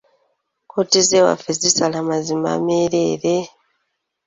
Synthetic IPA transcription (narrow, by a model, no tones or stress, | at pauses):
kʰotizewa̰fezisalamazima̰meːɾeːɾe